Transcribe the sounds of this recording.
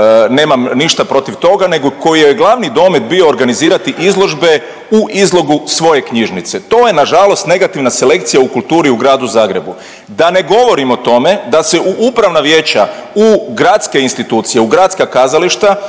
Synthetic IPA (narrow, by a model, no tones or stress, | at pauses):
ne̞ːmamniʃt̪apɾo̞t̪iʋt̪o̞ɡane̞ɡoko̞jijeɡlˠaʋnid̪o̞med̪bio̞ːɾɡaniziːɾat̪iʔizlˠo̞ʒbe̞ | uʔizlˠo̞ɡusʋo̞je̞kɲiʒnit̪se̞t̪o̞ːje̞naʒalˠo̞st̪ne̞ɡat̪iʋnase̞le̞k̚t̪sijaukulˠt̪uːɾiuɡɾaːd̪uzaːɡɾe̞bu | d̪ane̞ɡo̞ʋo̞ɾimo̞t̪o̞me̞d̪ase̞uʔupɾaʋnaʋje̞ːt͡ɕauɡɾat̪ske̞inst̪it̪uːt̪sijeuɡɾat̪skakazaliʃt̪a